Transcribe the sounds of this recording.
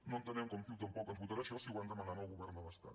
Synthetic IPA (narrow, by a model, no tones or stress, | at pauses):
nont̪ənɛmkomfilˠt̪əmpɔkəmbut̪aɾaʃɔsiwand̪əmananolɣuβɛɾnəβəst̪a̰t̪